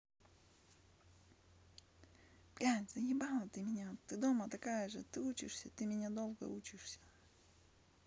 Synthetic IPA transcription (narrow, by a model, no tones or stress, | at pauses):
pkʲanʲzɐnʲɪbalˠət̪ɨmʲɪnʲat̪ːɨd̪omət̪ɐkajəʐɨt̪ɨut͡ɕɪʂsʲət̪ɨmʲɪnʲad̪olˠɡə̰ut͡ɕɪʂsʲə̥